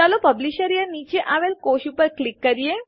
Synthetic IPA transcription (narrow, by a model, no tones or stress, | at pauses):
alopəbliɕəɾijənit͡ɕeʔaʋelkoɕupəɾklikːəɾije